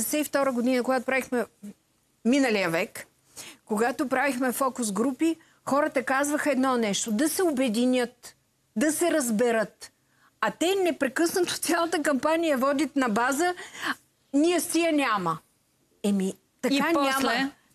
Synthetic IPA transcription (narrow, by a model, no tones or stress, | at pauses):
ɛsɛift̪ɔɾəɡod̪inəkoɡat̪opɾavixmɛ | minəlijəvɛk | kːoɡat̪opɾavixmɛfɔkʊsɡɾupi | xɔɾət̪ɐkazvəxəɛd̪nɔnɛʃt̪od̪ɐsɛobɛd̪inʲət̪ | d̪ɐsɛɾɐzbɛɾɤt̪ | ɐt̪ɛnɛpɾɛkɤsnət̪o̥t̪sʲalˠət̪əkɐmpanijɐvɔd̪ʲit̪nɐbazə | niɛsijənʲamə | ɛmi | t̪ɐkanam